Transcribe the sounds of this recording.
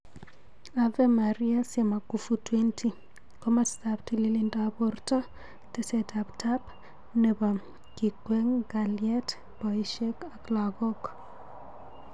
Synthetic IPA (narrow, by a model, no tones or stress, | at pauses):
avɛmaɾiasjemakufutwentʰi | kɔmastaptililindabɔrtɔ | tesetaptʰap | neba | kikweŋɡaljɛt | pɔiʃekaklaɡɔk